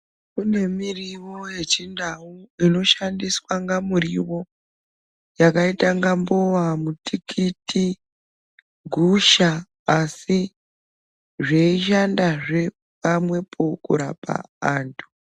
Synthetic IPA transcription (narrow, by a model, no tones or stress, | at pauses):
kune̞miriʋo̞je̞t͡ʃindauino̞ʃandiswaŋɡamuriʋo̞ | jakaitaŋɡambowamutʰikiti | ɡʱuʃaː | si | ʐeiʃandaʐe̞ | pamwe̞pʰokṵɾa̰pa̰aːntʰu̥